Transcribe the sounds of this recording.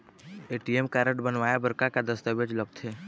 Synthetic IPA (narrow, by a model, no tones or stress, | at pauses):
eːʈiemkaːɾəʈbənʋaːjabəɾkakad̪əst̪əbed͡ʒləɡ̚t̪ʰeː